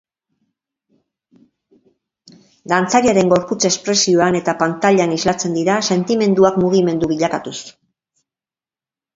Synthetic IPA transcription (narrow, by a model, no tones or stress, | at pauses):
d̪ant͡saɾiaɾe̞ŋɡo̞ɾput͡se̞spɾe̞sioane̞t̪apant̪aʎanizlat͡se̞nd̪iɾase̞nt̪ime̞nd̪uakmuɣ̞ime̞nd̪uβiʎakat̪us